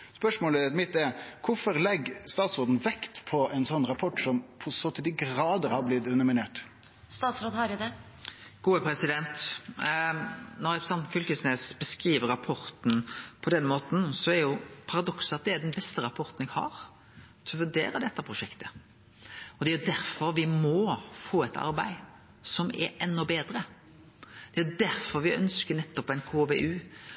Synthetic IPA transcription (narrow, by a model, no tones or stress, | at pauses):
spœʂmoːləmɪt̪ːɛɾkʰʊfɔɾlɛɡːst̪ɑːt̪soːd̪n̩ʋɛkt̪pʰɔɛɪnsɔnːɾɑpʰɔʈːsɔmpʰɔsɔt̪ʰɪd̪ɪɡɾɑːd̪əɾhɑɾblɪd̪ʉnəmɪneːʈ | st̪ɑːt̪sɾoːd̪̩hɑɾjʊd̪ɛ | ɡ̥uːəpʰɾɛsɪd̪ɛnt̪ | nɔɾɛsɑnt̪fʏlkəsneːsb̥əskɾiːʋəɾɑpʰɔɾt̪n̩pʰɔd̪ɛnːmoːt̪n̩sɔæɾjʊpʰɑɾɑd̪ɔksɑt̪̚d̪ɛæd̪ɛnbɛst̪əɾɑpʰɔɾt̪n̩ɛɡhɑ̰ɾ | t̪ʰɛlɔfʉnd̪ḛːɾɑd̪ɛt̪ːɑpʰɾʊʂɛkt̪ʰə̥ | ɔd̪ɛɾjʊd̪æɾfɔɾʋɪmɔfoːɛt̪ʰɑ̰ɾbæ̰ɪ | sɔmɛ̰ɾɛnːɔbeːd̪ɾə | d̪̥ɛæjʊd̪æɾfɔɾʋɪœ̰nskəɾnɛt̪ːɔpːɛɪnkʰoːʋeːʔʉː